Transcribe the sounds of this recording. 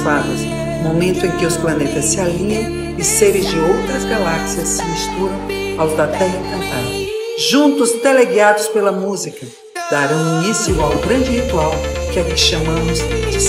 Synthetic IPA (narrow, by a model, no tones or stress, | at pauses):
vad̪ɐs | momẽnt̪ʊẽkɪʊsplanet̪ɐsːɪalĩɲɐ̃w̃ | ɪseɾɪzd͡ʒɪowt̪ɾɐzɡalaksiɐsːɪmist̪uɾɐ̃w̃ | awzd̪at̪ɐ̃likɐ̃nt̪ad̪ʊ | ʒũnt̪ʊzd̪eleɡiad̪ʊspelɐmuzikɐ | d̪̥aɾɐ̃w̃ũisiawɡɾɐ̃nd͡ʒɪhit̪uawkɪavi̥ʃɐmɐ̃mʊzd̪ed͡ʒɪs